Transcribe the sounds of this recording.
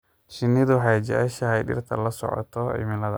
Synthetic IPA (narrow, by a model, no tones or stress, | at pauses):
ʃɪnːɪðʊħajd͡ʒɛʕɛʃɐhɛjɖɪ̰rt̪ʰɐlɐsɔ̰ʕɔ̰t̪ʰɔɪ̰mɪlɐðɐ̰